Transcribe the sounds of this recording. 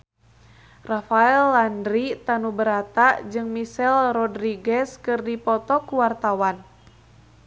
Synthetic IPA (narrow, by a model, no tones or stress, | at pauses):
rafaɛlːandɾit̪anubəɾat̪ad͡ʒɨŋmisɛlrɔdɾiɡɛskɨrdipɔt̪ɔkuwart̪awan